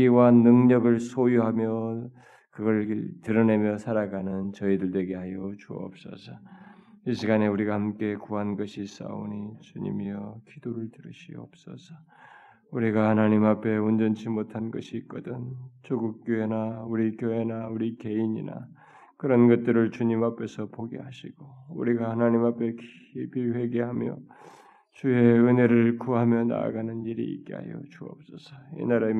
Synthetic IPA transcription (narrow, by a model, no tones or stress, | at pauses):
iwanːɯŋɲʌɡɯɭsʰojuɦamjʌ | kɯɡʌɭtɯɾʌne̞mjʌsʰaɾaɡanɯnt͡ɕʌidɯɭdwe̞ɡe̞ɦajʌt͡ɕuʌ̰p̚s͈ʌ̰sʰʌ | iɕʰiɡaneuɾiɡahamk͈e̞kuɦanɡʌɕʰis͈a̰oɲit͡ɕuɲḭmiʌkʰid̥oɾɯɭtɯɾɯɕʰḭʌ̰p̚s͈ʌ̰sʰʌ̥ | uɾiɡahanaɲimapʰe̞ond͡ʑʌnt͡ɕʰimotʰanɡʌɕʰik͈ʌdɯnt͡ɕoɡuk̚k͈joe̞nauɾikjoe̞nauɾike̞iɲḭna̰ | kɯɾʌnɡʌt̚t͈ɯɾɯɭt͡ɕuɲimapʰe̞sʰʌpoɡḛɦaɕʰiɡ̥oṵɾiɡahanaɲimapʰe̞k | biwe̞ɡe̞ɦamjʌ̰ | t͡ɕue̞ɯne̞ɾɯɭkuɦamjʌna̰a̰ɡanɯniɾḭḭk͈eɦa̰jo̰t͡ɕuʌ̰p̚s͈ʌsʰʌḭnaɾa